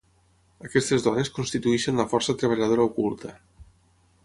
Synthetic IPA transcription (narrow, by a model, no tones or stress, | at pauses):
akɛst̪ezðɔneskunst̪it̪uɛʃenlɐfɔrsat̪ɾeβ̞aʎað̞oɾaukulˠt̪ʰə